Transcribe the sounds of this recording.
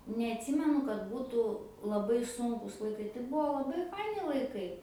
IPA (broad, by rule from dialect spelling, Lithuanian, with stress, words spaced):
nʲɛɐtʲˈsʲɪmʲɛnʊ kɐt ˈbuːtʊ lˠɐˈbɐɪ ˈsʊŋkʊs lˠɐɪˈkɐɪ tɐɪ ˈbuɔ lˠɐˈbɐɪ ˈfɐɪnʲɪ lˠɐɪˈkɐɪ